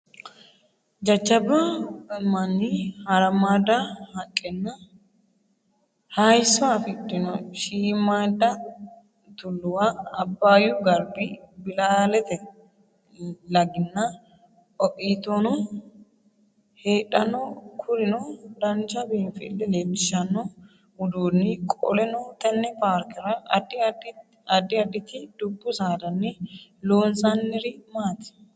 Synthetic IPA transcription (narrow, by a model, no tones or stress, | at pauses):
d͡ʒɐd͡ʒːɐbɐmɐnːihɐɾɐmaːd̪ahɐkʼːɛnːɐ | hɐjsːɔɐfɪtːɪnɔʃiːmaːd̪ɐ | t̪ʊlːʊwaɐbːaːjʊɡɐɾbɪbɪlaːlɛt̪ɛ | lɐɡɪnːɐ | ʔɔʔʼiːt̪onɔ | heːᶑɐnɔkʰʊɾɪnɔd̪ɐnt͡ʃɐbiːnfɪ̰lːɛleːmɪʃɐnːɔ | ʊd̪uːnːɪkʼɔ̰lɛnoːt̪ɐnːɛpaːɾkɪɾɐdd | ɐd̪ːɪɐd̪ːɪt̪ɪd̪ʊbːʊsaːd̪ɐnːɪloːnsanːɪɾɪmaːt̪ɪ̥